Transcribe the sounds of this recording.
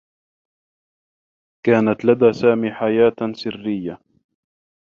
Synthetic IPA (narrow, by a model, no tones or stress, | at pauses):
kaːnat̪lad̪aːsaːmiːħajaːt̪sɪrːɪjːa